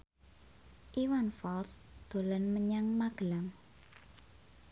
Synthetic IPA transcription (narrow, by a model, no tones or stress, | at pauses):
ʔiwanfɔlsd̪̥o̤lənməɲaŋmaɡ̥əlaŋ